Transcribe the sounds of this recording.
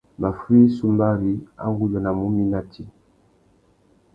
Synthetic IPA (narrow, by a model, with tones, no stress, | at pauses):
ba˨fwi˦su˦mba˦βi˦a̰˦ŋɡu˦d͡ʒɔ˨na˨mu˦mi˦na˦ti˦